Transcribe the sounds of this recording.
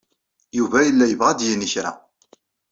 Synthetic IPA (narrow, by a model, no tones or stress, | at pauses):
juvæjəlːæjəvʁad̪jəniçɾa̰